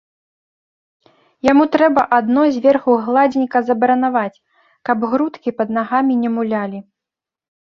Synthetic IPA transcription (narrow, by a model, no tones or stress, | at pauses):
jamut̪ɾɛbɐʔad̪nɔjzʲvʲɛrxuɣlˠad͡zʲinʲkɐzɐbɐɾɐnavat͡sʲ | kɐbɣɾut̪kʲipɐd̪naɣamʲinʲɛmulʲalʲi